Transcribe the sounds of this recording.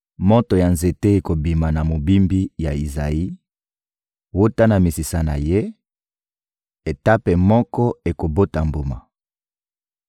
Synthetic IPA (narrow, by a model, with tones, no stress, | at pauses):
mo˦to˨ja˨nze˨te˦e˨ko˨bi˨ma˨na˨mo˨bi˦mbi˦ja˨i˨za̰˨i˦ | wo˦ta˦na˨mi˨si˨sa˦na̰˨je˦ | e˨ta˦pe˨mɔ˦kɔ˦e˨ko˨bo˦ta˨mbo˨ma̰˨